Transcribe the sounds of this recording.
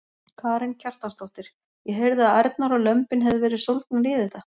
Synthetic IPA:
kʰaːɾɪncʰar̥t̪ast̪owht̪ɪɾ̥ | jɛɦejɾðɪaðajɾt̪naɾɔlœmpɪnɦɛvðɪvɛːɾɪsolt̪̚naɾɪːðɪt̪a

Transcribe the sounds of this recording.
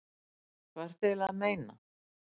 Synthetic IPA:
kʰvaɾ̥t̪ɪlaðmeːjna̰

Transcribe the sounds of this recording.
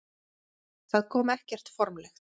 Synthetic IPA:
θaðkʰɔːmɛhcɛr̥t̪fɔɾmlɛxt

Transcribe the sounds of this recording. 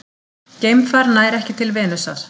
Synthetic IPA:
cejmfaɾnaːjɾɛhcɪt̪ʰɪlvɛːnʏsa̰ɾ̥

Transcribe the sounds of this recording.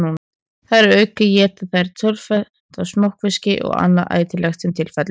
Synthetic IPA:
nun | θaðɾɛɾœːɥkʏjɛːt̪aθajɾt̪ʰœlfɛ | t̪asmowhkvɪscɪ̰ʔɔ̰ɣa̰nːaʔa̰ːjt̪ɪlɛxt̪ɛmt̪ʰɪlfɛt̪l

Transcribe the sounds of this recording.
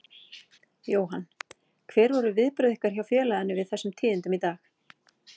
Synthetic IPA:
joːwɦanː | kʰvɛːɾvɔɾʏvɪðpɾʏːðɪhkaɾ̥çawfjɛːlaðanːʏvɪðθɛsːʏmt̪ʰiːðɪnt̪ʏmit̪aːx

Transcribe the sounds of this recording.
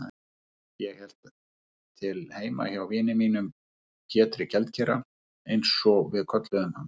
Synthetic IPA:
a | jɛhɛl̥t̪ | t̪ʰɪlheːjma̰çawvɪːnɪmiːnʏm | cʰɛːt̪ɾɪcɛlt̪cʰɛːɾa | ejnsːɔvɪðkʰœt̪lœðʏmhanː

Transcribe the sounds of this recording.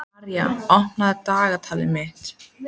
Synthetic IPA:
ɾja̰ɔhnaðt̪aːɣat̪ʰaːlɪ̰mɪht̪

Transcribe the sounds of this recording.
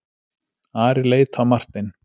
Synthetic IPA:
aːɾɪleːjt̪hawmar̥t̪ɪn

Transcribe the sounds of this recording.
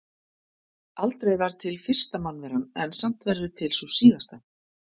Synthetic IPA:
alt̪ɾejvaɾt̪ʰɪlfɪr̥st̪amanvɪɾanːɛnsam̥t̪vɛɾðʏt̪ʰɪlsusiːɣast̪a

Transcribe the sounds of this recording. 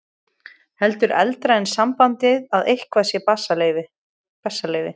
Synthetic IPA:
hɛlt̪ʏɾʔɛ̰lt̪ɾaɛnsampant̪ɪðaðejhkvasjɛpasalvɪ | pɛsːaleːjvɪ

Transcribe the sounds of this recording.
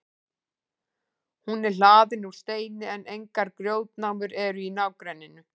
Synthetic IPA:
hunɛɾ̥l̥aːðɪnu̥st̪eːjnɪɛnejŋkaɾkɾjoːwt̪̚nawmʏɾɛɾʏinawkɾɛnːɪnʏ

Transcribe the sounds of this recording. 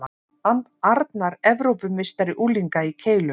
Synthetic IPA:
a | an | aɾt̪naɾɛvɾowpʏmɪst̪aɾɪʔuːliŋkaicʰeːjlʏ

